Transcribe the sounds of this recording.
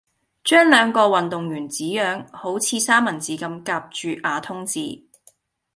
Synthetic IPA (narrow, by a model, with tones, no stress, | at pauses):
t͡ʃœː˥ŋlœː˨˧ŋkɔː˧wɐ˨nt̪ʊ˨ŋjyː˨˩nt͡siː˨˥jœː˨˥ŋho˨˥wt͡sʰiː˨˧saː˥mɐ˨˩nt͡siː˨˥kɐ˧mkaː˧p̚t͡ʃyː˨˧ʔaː˨˧t̪ʰʊ˥ŋt͡sḭː˨˧